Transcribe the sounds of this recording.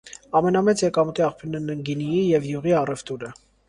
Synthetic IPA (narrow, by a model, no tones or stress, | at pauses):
ɑmɛnɑmɛt͡sjɛkɑmut̪iɑχpʰjuɾnɛnəŋɡinijijɛvjuʁiɑrɛvt̪uɾə